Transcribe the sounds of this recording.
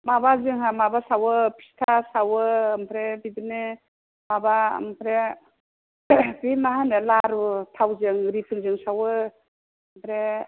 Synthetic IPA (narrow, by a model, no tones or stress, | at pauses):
mabazɯŋɦamabasawɯpʰi̥stʰasawɯːmpʰɾebidɯne | maba̰mpʰɾe | bimaɦanɯlaɾutʰawzɯŋɾipʰɯŋzɯŋsawɯ | mpʰɾe